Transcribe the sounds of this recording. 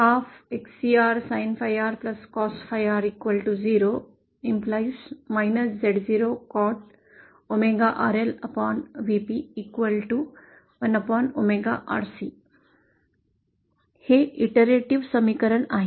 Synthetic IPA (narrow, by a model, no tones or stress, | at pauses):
hafeksiaːɾsajnfajaɾplɐskɔːsʈfʰajaɾikʋəlʈuziːɾo | implajsmajnəszeɽziɾokɔːʈ | omeɡaʔaɾelɐpɔːnʋipiːkʋəlʈu | ʋɐnɐpɔːnomeɡaʔa̰ːɾsi | heiʈəɾeʈiʋsəmikəɾəɳaːɦe